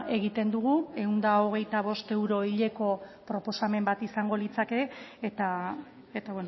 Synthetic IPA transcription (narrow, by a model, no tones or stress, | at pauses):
e̞ɣit̪e̞nd̪uɣ̞ue̞und̪ao̞ɣ̞e̞jt̪aβ̞o̞st̪e̞wɾo̞iʎe̞ko̞pɾo̞po̞same̞mbat̪isaŋɡo̞lit͡sake̞ːt̪a | et̪aβwon